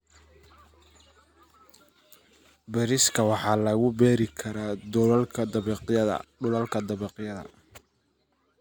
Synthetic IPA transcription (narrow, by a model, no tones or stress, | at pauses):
bɛɾɪskʰɐwɑħɑːlɐɣʊbɛːɾɪkʰɐɾaːd̪ɔlkʰɐd̪ɐɐɐ̰ɖʊlɐlkʰɐd̪ɐβɛqjɐðɐ̰